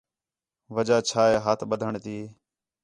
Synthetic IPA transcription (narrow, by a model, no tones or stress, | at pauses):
ʋəd͡ʒaːt͡ʃʰaːeːɦaːt̪ʰɓəd̪ʱəɳt̪iː